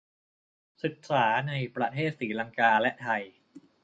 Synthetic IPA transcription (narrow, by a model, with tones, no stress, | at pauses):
sɯ˨˩k̚saː˩˦na˧jpɾa˧t̪ʰeː˥˩t̪̚siː˩˦la˧ŋkaː˧lɛ˦˥ʔt̪ʰa˧j